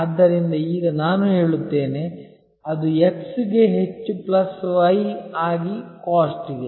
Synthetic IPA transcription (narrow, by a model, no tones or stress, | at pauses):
ɐd̪ːɐɾind̪ɐiːɡɐnaːnuɦe̞ːɭut̪ːe̞ːne̞ | ɐd̪ueksiɡe̞ɦe̞t͡ʃːuplɐsʋɐjaːɡikaːsʈiɡe